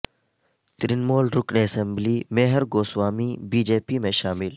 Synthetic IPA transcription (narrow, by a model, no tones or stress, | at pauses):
t̪ɾinmoːlɾʊkneːɐsemblimeɦəɾɡoːswaːmiːbiːd͡ʒeːpimẽʃaːmɪl